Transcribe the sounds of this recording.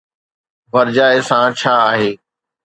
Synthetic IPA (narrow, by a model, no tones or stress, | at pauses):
ʋɐɾd͡ʑaːɪsãt͡ɕʰaːaːɦeː